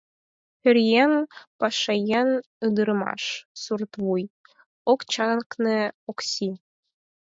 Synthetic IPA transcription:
ɵ̆ɾʲjænpɑʃɑjɑn | ɯd̪ɤɾɤmɑ̰ʃsurt̪βuj | okt͡ɕɑnknɤ̆oksʲi

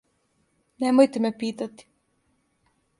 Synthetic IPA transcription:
nemojt̪emepiːt̪at̪i̥

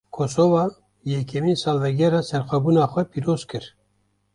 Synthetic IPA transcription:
kʰosovɑ | jɛkʰɛmiːnsɑːlvɛɡɛɾɑsɛɾxʷɛbuːnɑːxʷɛpʰiːɾoːzkʰɨɾ

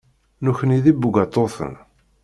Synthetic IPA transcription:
nuçəniðibːuɡʷat̪ˤːoθə̰n

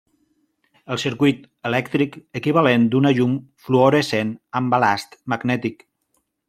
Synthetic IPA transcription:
əlˠsiɾkujt̪ | əlɛkt̪ɾikəkiβ̞alend̪unəʎumfluoɾesenəmbalast̪maɡnɛt̪ik

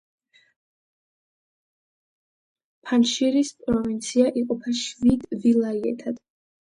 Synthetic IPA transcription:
pʰanʃiɾispʼɾɔvint̪sʰiaʔiqʼɔpʰaʃvid̪vilˠaiɛ̰t̪ʰad̪̥

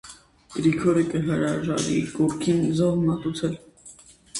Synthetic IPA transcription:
ɡ̥ɾikʰɔɾəkəɦəɾɑʒɑ̰ɾḭkɔɾkʰinzɔvmɑt̪ut͡sʰɛl

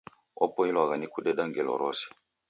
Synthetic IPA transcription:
ɔ̰pɔilwaɣanikudɛɗaŋɡɛlɔ̰ɾɔsi̥

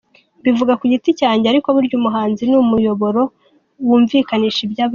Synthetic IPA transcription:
bivuɡakuɟiticaːɲɟeaɾiko̞βuɾɟumuɦaːnzinumujo̞βo̞ɾo̞ | wuːɱviːkaniːʃibjaːβ

